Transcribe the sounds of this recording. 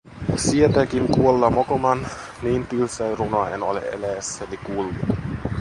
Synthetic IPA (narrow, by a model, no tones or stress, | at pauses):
siet̪ækinkuolːɑmokomɑn | niːnt̪ylseirunoɑenolḛʔelæːsːænikulːu